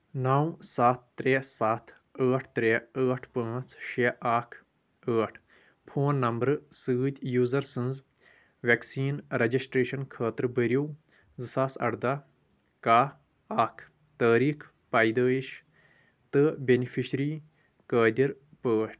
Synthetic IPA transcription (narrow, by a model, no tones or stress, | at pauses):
nawsaːt̪ːɾeːsaːt̪ʰ | əːʈʰt̪ɾeːəːʈʰpə̃ːt͡sʃeʔaːkʰ | əːʈʰ | pʰoːnːɐmbɾsɨːt̪ʲjuːzɐɾsɨ̃nz | ʋʲeksiːnɾɐd͡ʒisʈɾeːʃɐnkʰəːt̪ɾbəɾʲiw | zɨsaːsɐ̰ɽd̪a | kaː | aːkʰ | t̪əːɾiːkʰ | paːjd̪əːiʃ | t̪ɨbʲenipʰiʃɾiː | kəːd̪ʲiɾ | pəːʈʲʰ